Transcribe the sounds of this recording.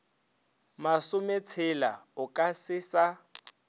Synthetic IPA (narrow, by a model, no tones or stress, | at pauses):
masʊmet͡sʰɪla̰ʊkʼasɪːsa